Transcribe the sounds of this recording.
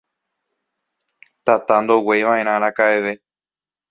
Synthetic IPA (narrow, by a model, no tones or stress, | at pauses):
t̪at̪and̪owejʋãʔẽ̞ɾ̃ãɾ̃ãkaeʋe̞